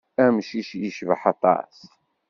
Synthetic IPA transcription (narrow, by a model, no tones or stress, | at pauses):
æmʃiʃjəʃvəħɑt̪ˤːɑ̰s